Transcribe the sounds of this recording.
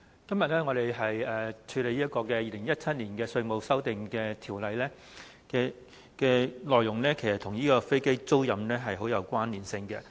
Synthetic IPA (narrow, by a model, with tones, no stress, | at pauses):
kɐ˥mjɐ˨t̚lɛː˥ŋɔː˨˧ɾe˨jɦɐ˨jɛː˨t͡ʃʰyː˨˧le˨jiː˥ɐ˥t̚kɔː˧kɛ˧jiː˨˧lɪ˨˩ŋjɐ˥t̚t͡sʰɐ˥t̚niː˨˩nkɛː˧sɵ˧ɥmo˨˧wsɐ˥wt̪ɪ˨ŋkɛː˧t̪ʰiː˨˩wlɐ˨jlɛː˥ | kɛ˧ | kɛː˧lɔː˨˧jːʊ˨˩ŋlɛː˥kʰe˨˩jsɐ˨˩t̪ʰʊ˨˩ŋjiː˥kɔː˧fe˥jke˥jt͡so˥wjɐ˨mnɛː˥ɦɐ˨jɦo˨˥wjɐ˨˧wkʷwaː˥nliː˨˩nsɪ˧ŋkɛ̰˧